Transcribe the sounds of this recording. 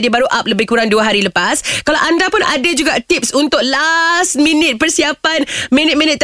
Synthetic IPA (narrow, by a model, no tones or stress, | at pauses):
diəbaɾuʔap̚ləbɪhkuɾaŋduaɦaɾiləpaskalawʔandapʊnʔa̰dad͡ʒuɡaʔt̪ip̚sunt̪ʊk̚last̪̚mĩnɪt̪̚pərsiapanmĩnɪt̪̚mĩnɪt̪̚ː